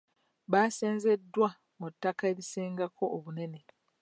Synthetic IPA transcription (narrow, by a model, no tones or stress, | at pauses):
βaːseːnze̞dːwa | mutːakaeɾiseːŋɡakʰo̞ʔːβune̞ne